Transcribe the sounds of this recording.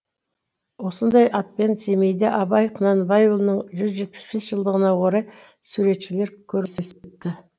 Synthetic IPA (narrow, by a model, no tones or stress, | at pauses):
wo̞sənd̪ɑjʔɑt̪̚pe̞nse̞me̞jd̪eʔɑbɑjqʰənɑnbɑjulˠnəɴʒʏzʒe̞t̪̚pɪ̥sbe̞sʒ̥əlˠd̪əʁənɑwoɾɑjsuɾe̞t̪ʃɪle̞ɾkʲʰɵɾseset̪ːɪ